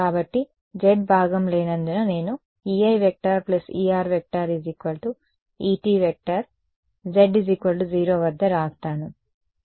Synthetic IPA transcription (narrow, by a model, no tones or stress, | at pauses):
kaːbɐʈːi | d͡ʒeʈ̚bʱaːɡɐmleːnɐnd̪unɐne̞ːnu | iːɐjʋek̚ʈaːɾplɐsiːaːɾʋek̚ʈaːɾizikʋɐlʈu | iːʈiːʋek̚ʈɐɾ | d͡ʒeɖizikʋɐlʈud͡ʒiːɾo̞ːʋɐd̪ːɐɾaːst̪aːnu